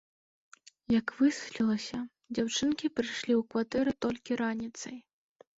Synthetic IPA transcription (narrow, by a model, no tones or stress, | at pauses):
jɐkvɨsɨ̥lʲilˠɐsʲɐ | d͡zʲawt͡ʂɨnkʲipɾɨjʂlʲiwkvat̪ɛɾɨt̪ɔlʲkʲiɾanʲit̪sɐj